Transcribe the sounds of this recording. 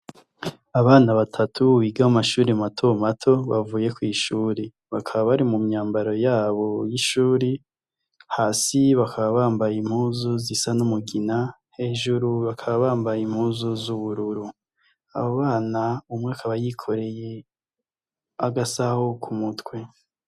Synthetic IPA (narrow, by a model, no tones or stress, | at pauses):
aβaːnaβatʰatʰuβiɡahamaʃuːɾematʰomatʰo̞βavuːje̞kwiːʃuːɾe | βakʰaβaβaɾimumɲaːmbaɾo̞jaːβo̞jiʃuːɾi | haːsiβakʰaβaβaːmbajim̥huːzuzisanumuɡina | he̞ːʒuɾuβakʰaβaβaːmbajim̥huːzuzuβuɾuɾu | a̰βoβaːnaumŋeakʰaβajikʰo̞ɾe̞je̞ | aɡasahokʰumutwe̞